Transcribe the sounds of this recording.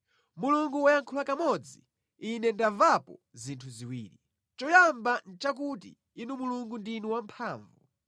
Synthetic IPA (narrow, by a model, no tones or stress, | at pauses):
muluŋɡuwajaŋkʰulakamɔd͡ziː | nɛndavapɔ | zintʰuziwḭːli | t͡ʃɔjambant͡ʃak̬utḭ | inumuluŋɡundiniwampʰaːɱvu